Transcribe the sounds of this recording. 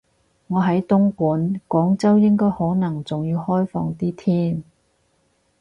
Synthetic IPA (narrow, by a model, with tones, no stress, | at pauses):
ŋɔː˨˧ɦɐ˨˥jt̪ʊ˥ŋkuː˨˥nkɔː˨˥ŋt͡sɐ˥wjɪ˥ŋkɔː˥jhɔː˨˥nɐ˨˩ŋt͡sʊ˨ŋjiː˧whɔː˥jfɔ̰ː˧ŋt̪iː˥t̪ʰiː˥n